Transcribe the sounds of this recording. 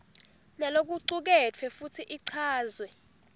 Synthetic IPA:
nalok̬ʼuǀuk̬ɛtʰwɛfutʰiʔiǀʰaːzwɛ

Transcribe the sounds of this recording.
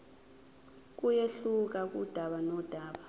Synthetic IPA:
k̬ʼujeɬuk̬ak̬ʼṵd̥ʱaɓanɔd̥ʱaːɓa

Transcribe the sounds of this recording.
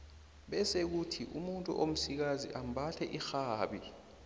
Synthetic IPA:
ɓɛsek̬utʰiʔumuntʼṵʔom̩sik̬azḭʔam̩bʱatʰɛʔixaːɓi

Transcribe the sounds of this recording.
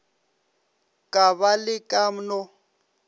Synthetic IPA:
kʼaβalɪkʼam̩nɔ

